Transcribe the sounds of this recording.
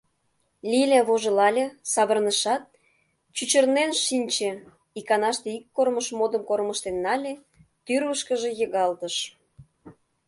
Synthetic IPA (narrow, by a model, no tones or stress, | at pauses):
lʲilʲeβoʒə̆lɑlʲesɑβərnəʃɑt̪̚ | t͡ɕyt͡ɕərnenʃinʲt͡ɕe | ikɑnɑʃt̪eikːorməʃmod̪əmkorməʃt̪enːɑlʲe | t̪yrβəʃkəʒe̽jəɣɑlt̪əʃ